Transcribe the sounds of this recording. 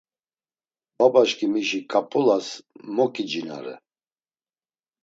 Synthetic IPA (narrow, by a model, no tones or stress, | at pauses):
babaʃkimiʃikʼapʼulasmɔkʼid͡ʒina̰ɾɛ̰